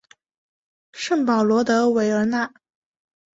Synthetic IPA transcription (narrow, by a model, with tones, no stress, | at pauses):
ʂə˥˩ŋpɑ˨˩ʊlwɔ˧˥t̪ɤ˧˥we˧˥ɪə˞˧˥na˥˩